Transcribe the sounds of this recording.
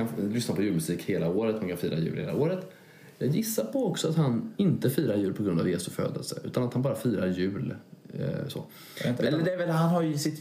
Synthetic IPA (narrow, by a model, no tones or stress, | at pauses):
anlʏsnapʰɔjʉ̟ːlmɵsiːkheːlaoːɾət̪mankʰanfiːɾa̰jʉ̟̰ːlhḛːla̰oːɾət̪ | jɑːɡjɪsːaɾpʰɔɔksɔat̪hanɪnt̪əfiːɾaɾjʉ̟ːlpʰɔɡɾɵnd̪a̰vjeːsʊfø̰ːd̪ə̰lsə̰ʉ̟ːt̪anat̪hanbɑːɾafiːɾaɾjʉ̟ːl | sɔ̰ | ɛlːədɛːɾvɛlɦanɦaɾjɵɪsɪt̪